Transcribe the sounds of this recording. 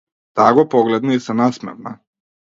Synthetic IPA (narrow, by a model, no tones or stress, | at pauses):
t̪aɡopoɡled̪naisanasmḛɾna̰